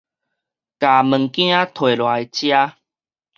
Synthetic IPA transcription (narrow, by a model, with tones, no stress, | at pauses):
ka˨˩mə˨˩ŋkj̃ã˦t̪ʰwe˨lwa˨˧˦jt͡ɕja˦